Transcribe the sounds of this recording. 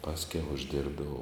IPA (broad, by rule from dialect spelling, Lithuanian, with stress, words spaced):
ˈpɑːsʲkʲɛʊ ʊʒʲˈdʲɪrbdɐʋɐʊ